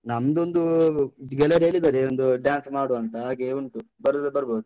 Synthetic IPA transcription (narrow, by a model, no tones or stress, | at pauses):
nɐmɐd̪ond̪uid̪ɡɛlːɐɾɦeːɭid̪aːɾeond̪uɖjaːnsmaːɽuɐnt̪ɐɦaːɡeuɳʈubɐɾd̪ebɐɾboːd̪u